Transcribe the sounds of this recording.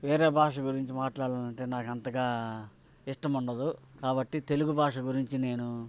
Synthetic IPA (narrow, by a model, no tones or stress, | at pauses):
ʋe̞ːɾeːbʱaːʂɐɡuɾiɲt͡ʃimaːʈlaːɽaːnɐɳʈe̞ːnaːkɐnt̪ɐɡaː | iʂʈɐmuɳɖɐd̪ukaːbɐʈːit̪e̞luɡubʱaːʂɐɡuɾiɲt͡ʃine̞ːnu